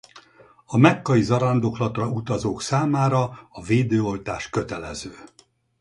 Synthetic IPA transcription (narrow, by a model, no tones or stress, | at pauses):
ɒmɛkːɒizɒɾɒnd̪o̞klɒt̪rɒut̪ɒzoːksaːmaːɾɒɒveːd̪øːo̞lt̪aːʃkø̞t̪ɛlɛ̰zøː